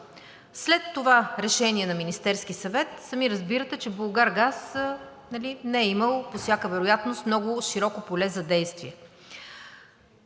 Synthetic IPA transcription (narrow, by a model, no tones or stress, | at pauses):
slɛt̪ːovaɾɛʃɛniɛnɐminist̪ɛɾsk̟isɐvɛt̪sɐmiɾəzbiɾət̪ɛt͡ʃɛbolˠɡaɾɡas | nɐlinɛɛiməlˠposjakəvɛɾojat̪nost̪mnɔɡʊʃiɾɔkopolɛzɐd̪ɛjst̪viɛ